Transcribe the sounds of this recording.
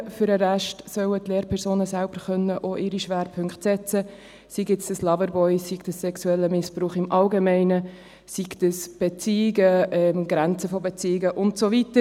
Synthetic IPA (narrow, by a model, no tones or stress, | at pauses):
fyɾəɾæʃtsœwətleːɾpʰɛɾsoːnəsælb̥əɾχœnːəʔoʔɪɾiʃʋæːɾpʰʏŋkχtsɛt͡sə | siɡɪt͡ssd̥əslɑvəɾbɔɪsikdəsːɛksuɛlːəmɪspɾuːχɪmʔɑlɡemɛɪnə | siɡtəsb̥et͡siːɪɡəɛmɡɾɛnt͡səfobɛt͡siːɡəʔʊntsovitə